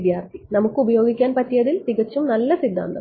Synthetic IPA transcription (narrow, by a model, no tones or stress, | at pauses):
d̪jaːrt̪ʰinɐmukːɨubɐjo̞ːɡikʲːaːnpɐtːijɐðilt̪iɣɐt͡ɕːumnɐlːɐsid̪ʱːa̰ːnd̪ɐ̰